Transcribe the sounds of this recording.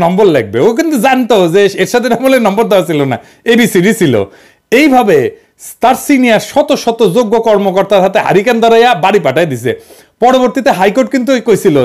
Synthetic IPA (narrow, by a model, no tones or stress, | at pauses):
nɔmboɾlek̚beok̬int̪uzant̪ozeeɾʃat̪ʰeɾamoleɾnɔmboɾd̪ɔasʰilona̰ | ebisiɾisʰilo̰ | ejbʱabe | st̪aɾsinijaɾʃɔt̪oʃɔt̪od͡ʑoɡːokɔɾmokɔɾt̪aɾɦat̪eɦa̰ɾikend̪ʱɔɾajabaɽipaʈaed̪ise | pɔɽoboɾt̪it̪eɦajkoɾʈ̚kint̪̬ukojsʰilo